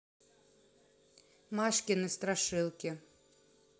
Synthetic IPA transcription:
maʂkʲɪnɨst̪ɾaʂɨlˠkʲɪ

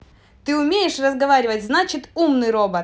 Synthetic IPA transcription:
t̪ɨʊmʲejɪʂrəzɡɐvaɾʲɪvətʲznat͡ɕɪt̪umnɨjɾobə

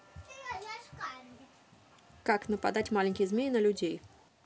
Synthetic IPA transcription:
ka | kaknəpɐd̪atʲmalʲɪnʲkʲɪjzmʲejʲɪnəlʲʊdʲej

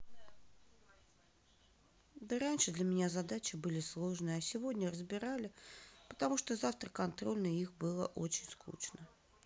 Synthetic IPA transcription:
d̪əɾanʲʂɨd̪lʲəmʲɪnʲazad̪at͡ɕɪbɨlʲɪslˠo̞ʐnɨjəasʲɪvodʲnʲərəzbʲɪɾalʲɪpə̥t̪amuʂt̪ozaft̪ɾrəkɐnt̪ɾo̞lʲnəixbɨlˠə̰ʔot͡ɕɪnʲskṵt͡ɕnə

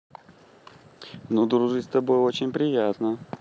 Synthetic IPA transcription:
nud̪ɾʊʐɨst̪ɐbo̞jo̞t͡ɕɪnʲpɾʲɪjat̪nə

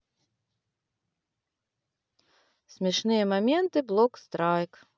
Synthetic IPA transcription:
sʲmʲɛʂnɨjɛmɐmʲɛnt̪ɨblˠɔkst̪ɾajk

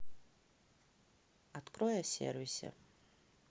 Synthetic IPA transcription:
at̪kʼrojasʲḛrvʲisʲḛ

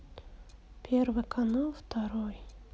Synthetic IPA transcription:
pʲervɨkʰɐnalˠft̪ʰaɾoj

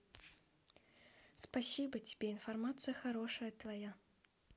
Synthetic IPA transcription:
spasʲibətʲɪ̥bʲeɪnfɐrmat̪sɨjəxaɾoʂəjət̪vaja

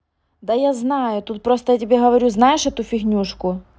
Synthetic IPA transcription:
d̪ɐjaznɑjʊt̪ut̪̚pɾost̪ɐjatʲɪbʲeɦɐʋɐɾʲuznajɪʂɛt̪ʊfʲiɣnʲuʂkʊ

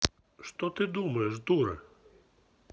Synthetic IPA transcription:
ʂt̪ɔt̪ɪd̪umɐjɛʐd̪uɾɛ̰

